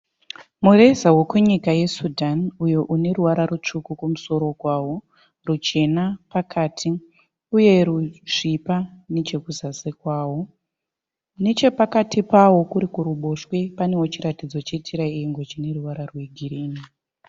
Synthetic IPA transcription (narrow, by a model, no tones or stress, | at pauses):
mure̞zawokweɲikaje̞sudʱanujo̞ʔune̞ɾuʋaɾaɾut͡ʂukukumuso̞ɾo̞ɡwaːwo̞ | rut͡ʃe̞napakʰaːtʰi | uje̞ɾuʐipane̞t͡ʃe̞kuzasekwaːwo̞ | ne̞t͡ʃe̞pakatʰipawo̞kuɾikuɾuɓo̞ʃwe̞pane̞wot͡ʃiɾatid͡zo̞t͡ʃe̞tiɾaieŋɡo̞t͡ʃine̞ruʋaɾarwe̞ɡʱiɾiːni